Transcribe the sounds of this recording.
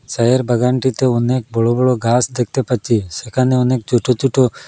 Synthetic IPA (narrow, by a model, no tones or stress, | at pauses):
sɐjəɾbəɡaːɳʈit̪eʊneːk̚bɔɭobɔɭoɡaːsd̪ek̚t̪epət͡ʃisekʰaneoneːk̚t͡ʃuʈot͡ʃuʈo